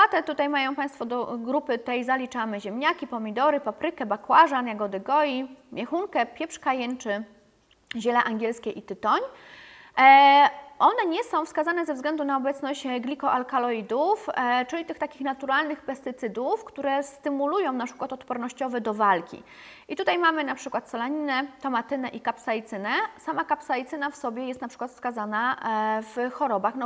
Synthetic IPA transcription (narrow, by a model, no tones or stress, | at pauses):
at̪ɛt̪ut̪ajmajɔ̃w̃paj̃st̪fɔd̪ɔɡɾupɘt̪ɛjzalʲit͡ʂamɛʑɛmɲakʲipɔmʲid̪ɔɾɘpapɾɘkɛbakwaʐanjaɡɔd̪ɘɡɔjimʲjɛxuŋkɛpʲjɛpʂkajɛnt͡ʂɘ | ʑɛlɛʔaŋɡʲjɛlskʲɛʔit̪ɘt̪ɔɲ | ʔɔnɛɲɛsɔ̃w̃fskazanɛzɛvzɡlɛnd̪unaɔbɛt̪snɔɕt͡ɕɡlʲikɔʔalkalɔid̪uft͡ʂɘlʲit̪ɘxt̪akʲixnat̪uɾalnɘxpɛst̪ɘt̪sɘd̪ufkt̪uɾɛst̪ɘmulujɔ̃w̃napʂɘkwat̪ɔt̪pɔɾnɔɕt͡ɕɔvɛd̪ɔvalkʲḭ | ʔit̪ut̪ajmamɘnapʂɘkwat̪sɔlaɲinɛt̪ɔmat̪ɘnɛʔikapsajt̪sɘnɛsamakapsajt̪sɘnafsɔbʲjɛjɛst̪napʂɘ̥kwat̪fskazanav̥xɔɾɔbaxnɔ